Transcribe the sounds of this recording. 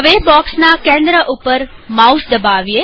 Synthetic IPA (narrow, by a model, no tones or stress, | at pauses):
əʋebɔːksnakẽːnd̪ɾəʔupəɾmausd̪əbaʋije